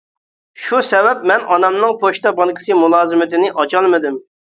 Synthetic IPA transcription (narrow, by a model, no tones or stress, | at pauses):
ʃusɛvɛpmɛnʔɑnɑmnɨŋpʰoʃt̪ɑbɑŋkʲʰɪ̥sɨmulˠɑːzɨmɪt̪ɪnɪʔɑt͡ʃɑlˠmɨd̪ɪm